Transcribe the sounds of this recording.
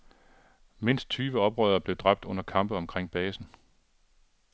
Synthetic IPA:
me̝n̰sd̥̚t͡sʰyːʋəɒ̽b̥ʁœ̰ːðˠɐb̥le̝ʊd̥ʁɑ̈b̥̚d̥ɔ̽n̰ɐkʰɑ̈mb̥əɒ̽mkʰʁeŋ̰b̥ɛːsn̩

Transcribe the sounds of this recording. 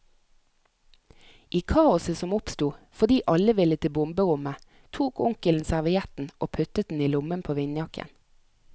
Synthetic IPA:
ʔiːkʰɑːʊsəsɔmʊpst̪uːfɔd̪iːʔɑləʋɪlət̪ʰɪbʊmbəʁʊmə | t̪ʰuːkʊŋkəln̩sæʁʋɪjɛt̪n̩ʔoːpʰʉt̪ət̪̚d̪n̩iːlʊmənpʰoːʋɪnjɑkʰə̰n

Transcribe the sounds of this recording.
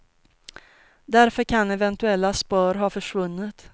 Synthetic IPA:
d̪æɾfœɾkʰanɛvɛnt̪ɵɛlːaspɑːɾɦɑːfœʂvɵnːɪt̪

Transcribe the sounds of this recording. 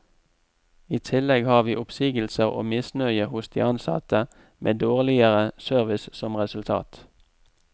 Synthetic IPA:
iːt̪ʰɪlɛɡhɑːʁʋiːʔʊpsiːɡəlsəʁo̰ːmɪsnœʏəhʊsd̪ḭːɑnsɑ̰t̪ə | mʔḛːd̪oːʁlɪəʁəsœʁʋɪssɔmʁɛsʉlt̪ʰɑ̰ːt̪

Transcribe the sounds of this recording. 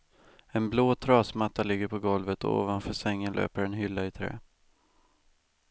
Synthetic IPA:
ɛnbloːt̪ʰɾɑːsmat̪ːalɪɡːəɾpʰɔɡɔlvət̪ɔ̰o̰ːvanfœsɛŋːənlø̰ːpəɾɛnɦʏlːaɪt̪ʰɾɛ̰ː

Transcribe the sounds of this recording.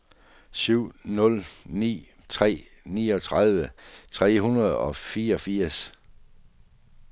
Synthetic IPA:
syʊ̰nɔ̽lnḭː | t͡sʰʁɛ̰ː | nḭːɒ̽t͡sʰʁaðˠʋət͡sʰʁɛ̰ːhunɐð̞̩ˠɒ̽fiːɐɒ̽fiɐ̰s

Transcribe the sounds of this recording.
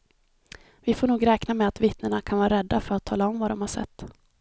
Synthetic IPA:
vɪfoːɳuːɡɾɛːknamɛat̪vɪt̪nəɳakʰanvɑːɾaɾɛd̪ːafœɾat̪ʰːɑːlaɔmvad̪ɔmhaʂɛ̰t̪ː

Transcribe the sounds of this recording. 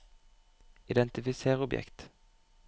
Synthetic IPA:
ɪd̪ɛnt̪ɪfɪseːʁɔbjɛ̰kt̪

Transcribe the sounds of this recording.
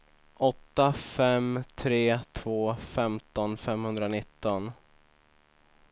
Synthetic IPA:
ʔɔt̪ːafɛmt̪ʰɾeːt̪ʰv̥oːfɛmt̪ɔnfɛmhɵnd̪ɾanɪt̪ːɔn

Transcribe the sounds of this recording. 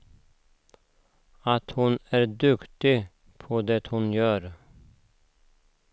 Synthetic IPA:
at̪hʊnæːɾɖ̪ɵkt̪ɪ | pʰɔd̪ɛt̪hʊnjœːɾ

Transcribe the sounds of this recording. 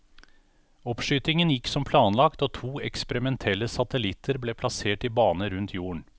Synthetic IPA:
ɔpʂyːt̪ɪŋənjɪkːsɔmpʰlɑːnlɑkt̪oːt̪ʰuːɛkspəɾɪmɛnt̪ʰɛlːəsɑt̪əlɪt̪ʰəɾbleːpʰlɑseːʈɪbɑːnəɾʉnt̪ʰjuːəɳ

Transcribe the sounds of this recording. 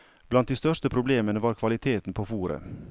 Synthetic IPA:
b̥lɑnt̪̚d̪iːst̪œʂtəpʰɾʊbleːmənəʋɑːɾkʰʋɑlɪt̪ʰeːt̪n̩pʰoːfuːɾə̰

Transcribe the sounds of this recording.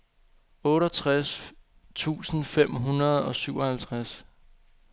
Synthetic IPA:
ɔ̽ːɾɐt͡sʰʁas | t͡sʰṵːsn̩fem̰ɦunɐð̞ˠɒ̽syʊ̰ɒhælt͡sʰʁas

